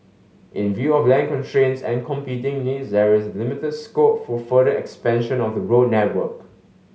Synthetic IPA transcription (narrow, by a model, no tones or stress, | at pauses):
ʔɪ̃nvjuɔflɛ̃nkɔ̃ntʰɹẽnsɛ̰̃nkʰɔ̃mpitɪ̃ŋnidsdɛɹɪsəlɪmɪtədskopfɔfəɾəʔɛ̰kspɛ̃nʃə̃nɔfdəɹod̚nɛt̚wək